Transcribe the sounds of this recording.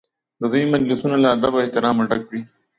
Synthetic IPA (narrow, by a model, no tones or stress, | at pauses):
d̪əd̪ujmad͡ʒlɪsunalaːd̪abaɪht̪ɪɾɑːmaɖakwi